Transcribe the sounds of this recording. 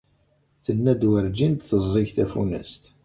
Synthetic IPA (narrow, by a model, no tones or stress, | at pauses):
θənːæd̪wəɾd͡ʒind̪θəzˤːiʝθæfunə̰st̪